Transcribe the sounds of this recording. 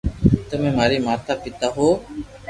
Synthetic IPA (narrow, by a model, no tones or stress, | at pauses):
t̪əmẽːmaːɾiːmaːt̪aːpɪt̪aːɦoː